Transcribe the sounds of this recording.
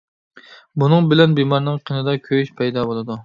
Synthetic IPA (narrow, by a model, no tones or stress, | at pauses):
bunɨŋbɪlɛnbemɑɾnɨŋqʰenɨd̪ɑkʲʰøjyʃpʰɛjd̪ɑbolˠɨd̪u